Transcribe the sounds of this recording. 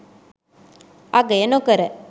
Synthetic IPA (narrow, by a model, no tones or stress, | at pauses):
aɡəenokəɾə